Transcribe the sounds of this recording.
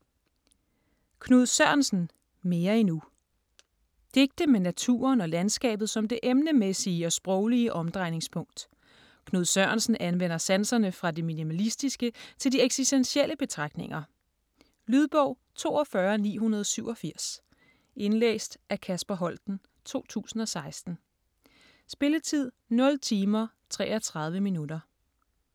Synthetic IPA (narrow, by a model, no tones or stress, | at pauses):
kʰnoðˠsɶɐ̰nsn̩ | me̝ːɐinu | d̥e̝ɡ̥̚d̥əmenæt͡sʰṵːɐnɒ̽lænsɡ̥ɛ̰ːb̥ð̩ˠsɒ̽md̥e̝ʔemnəmesiːəɒ̽sb̥ʁɔʊliəʔɒ̽md̥ʁɑ̈ɪne̝ŋspʰɔ̽ŋ̰d̥ | kʰno̝ðˠsɶɐnsn̩ʔænʋen̰ɐsænsɐnəfʁɑ̈de̝minimælisd̥isɡ̥ət͡sʰe̝ld̥ieɡ̥sisd̥ensiel̰əb̥e̝t͡sʰʁɑ̈ɡ̥ne̝ŋɐ | lyð̞ˠb̥ɔʊ̰ | t͡sʰo̝̰ːɒfɶɐnḭːɦunɐð̞ˠsyʊ̰ɒ̽fiɐ̰s | ʔe̝nlḛːsd̥ʔækʰæsb̥ɐɦɒ̽l̰d̥n̩ | t͡sʰo̝̰ːt͡sʰṵːsn̩ɒ̽sɑ̈ɪsd̥n̩ | sb̥e̝lət͡sʰið̞̰ˠ | nɒ̽lt͡sʰiːmɐ | t͡sʰʁɛ̰ːɐt͡sʰʁɑ̈ð̞ˠʋəminudɐ